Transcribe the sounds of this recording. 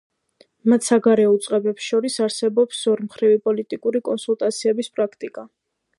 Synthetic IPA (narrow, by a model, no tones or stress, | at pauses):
mat̪ʰsaɡaɾɛut̪sʼqʼɛbɛpsʃɔɾisaɾsɛbɔpsɔɾmχɾivipʼɔlit̪ʼikʼuɾikʼɔnsulˠt̪ʼat̪sʰiɛbispʼɾakʰt̪ʼikʼa